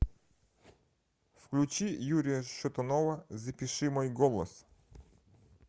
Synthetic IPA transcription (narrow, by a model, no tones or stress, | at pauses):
fklʲut͡ɕijuɾʲijɐʃɔt̪ɔnɔʋɐzɐpʲiʃɪmɔjɡɔlˠɔ̰s